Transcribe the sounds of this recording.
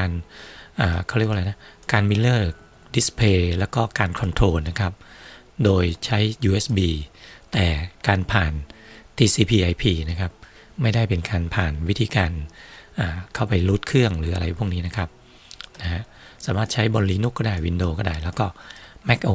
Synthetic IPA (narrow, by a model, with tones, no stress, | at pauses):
kaː˧nʔaː˨˩kʰa˥˩ɾi˥˩kwa˧la˧jna˦˥kaː˧nmi˧lɤː˥˩k̚ | di˨˦˥spʰleː˧lɛː˦˥wkɔː˥˩kaː˧nkʰɔ˧nt̪ʰɾoː˧nːa˦˥kʰa˦˥p̚ | doː˧jt͡ɕʰa˦˥jjuː˧ʔeː˦˥sbiː˧t̪ɛː˨˩kaː˧npʰaː˨˩nt̪ʰiː˧siː˧pʰiː˧ʔa˧jpʰiː˧na˦˥kʰa˦˥p̚ | ma˥˩jda˥˩jpe˧nkaː˧npʰaː˨˩nwt̪ʰiː˧kaː˧nʔaː˨˩kʰa˥˩wpa˧jlu˦˥t̪̚kʰɯ˥˩əŋɾɯː˩˦a˧ɾa˧jpʰu˥˩əŋniː˦˥na˦˥kʰa˦˥p̚ | na˦˥ha˦˥ʔ | saː˨˦maː˥˩t̪̚t͡ɕʰa˦˥jbɔ˧nliː˦˥nu˥kːɔː˥˩daː˥˩jwi˧ndoː˧kɔː˥˩daː˥˩jlɛː˦˥wkɔː˥˩mɛ˦˥k̚ʔoː˧